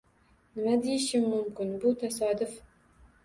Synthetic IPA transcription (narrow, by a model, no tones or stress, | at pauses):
nɪmad̪ejɪʃɪmːʊmkʲɪnbʊt̪ʰasɒd̪ʊf